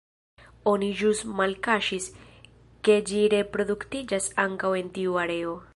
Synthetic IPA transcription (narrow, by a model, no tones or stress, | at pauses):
onid͡ʒustmalkaʃis | ke̞d͡ʒiɾe̞pɾo̞d̪uktid͡ʒasaŋkawe̞ntiuaɾe̞o